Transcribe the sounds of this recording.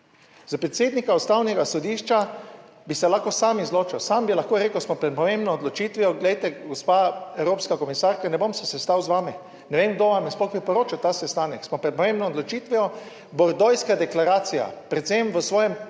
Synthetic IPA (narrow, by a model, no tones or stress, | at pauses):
zapɾɛt̪seːd̪nikaɔst̪awnɛɡasɔd̪iʃt͡ʃa | bisɛlaːxkɔsamizloːt͡ʃɛwsaːmbilaxkoɾeːkəwsmɔpɾɛt̪̚pɔmẽmbnɔːd̪lɔt͡ʃit̪ʋɛjɔɡlɛjt̪ɛɡɔspaɛwɾoːpskakɔmisaɾkanɛbomsɛsɛst̪awzʋaːmi | nɛʋeːmɡd̪oʋamjɛsplɔɡbipɔɾoːt͡ʃawt̪asɛst̪aːnɛksmɔpɾɛt̪̚pɔmẽmbnɔːd̪lɔt͡ʃit̪ʋɛɔ | bɔɾd̪ɔjskad̪ɛklaɾaːt̪sija̰pɾɛt̪semʋəsʋɔːjɛm